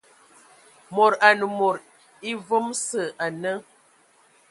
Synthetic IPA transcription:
mo˨ɾa˨nə˨mo˨ɾ | i˦və˦msə˨ʔa˨nə˦

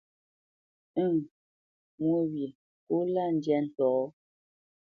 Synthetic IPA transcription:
ŋ | mwu˨˦wje˨ | ku˦la˦˨n̩˨˦djɛ˦n̩˨tɔː˨˦

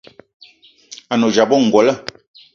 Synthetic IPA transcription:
a˨no˨d͡ʒa˨bɔ˦˨ŋ̩˨ɡwɔ˨lə˦

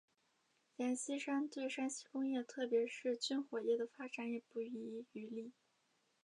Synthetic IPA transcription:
lja˧˥nɕi˥ʂa˥nt̪we˥˩ɪʂa˥nɕi˥kʊ˥ŋjɛ˥˧t̪ʰɤ˥˩pjɛ˧˥ʂɻ̩˥˧t͡ɕy˥nxwɔ˨˩jɛ˥˩d̪ə˩fa˥ʈ͡ʂa˨˩˥nɛ˨˩pu˥˩i˧˥˧y˧˥li˥˩

